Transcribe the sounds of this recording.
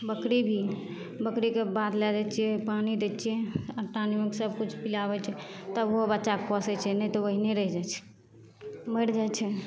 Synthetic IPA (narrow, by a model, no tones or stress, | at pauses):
bəkɾibʱi | bəkɾikebat̪lɛd͡ʒɛt͡ʃʰijɛpanid̪ɛt͡ʃʰiɛəʈanimeksəb̚kut͡ʃʰpilabɛt͡ʃʰɛt̪əbobətːʃakːpɔsɛt͡ʃʰɛnɛjt̪oʋəɦineɾəɦid͡ʒat͡ʃʰɛ̥ | məɽd͡ʒat͡ʃʰɛ